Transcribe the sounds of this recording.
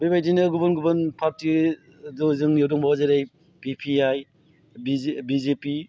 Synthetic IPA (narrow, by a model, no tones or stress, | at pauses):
bebajdinɯɡubɯnɡubɯnpʰap̚ti | duzɯŋniɔdɔŋbawazaɾaj | pipʰiaj | bibizepi